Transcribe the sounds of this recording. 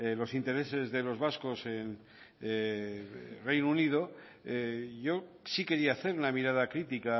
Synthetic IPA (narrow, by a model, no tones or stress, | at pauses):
elo̞sint̪e̞ɾe̞se̞zðe̞lo̞zβasko̞sen | re̞jnunið̞o̞ | eʝo̞sike̞ɾiaːθe̞ɾunamiɾað̞akɾit̪ika